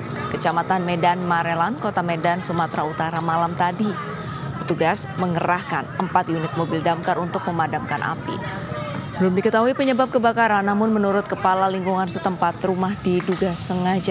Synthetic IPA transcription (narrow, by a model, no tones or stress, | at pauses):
kət͡ʃamat̪anmedanmaɾelankot̪amedansumat̪ɾaut̪aɾamalamt̪adi | pərt̪uɡasməŋəɾahkanəmpat̪junɪt̪̚mobɪldamkarunt̪ʊk̚məmadamkanʔa̰pḭ | bəlʊmdikət̪aɦuipəɲəbap̚kəbakaɾanːamʊnmənuɾʊt̪̚kəpalaliŋkuŋansət̪əmpat̪rumahdiduɡasəŋad͡ʒa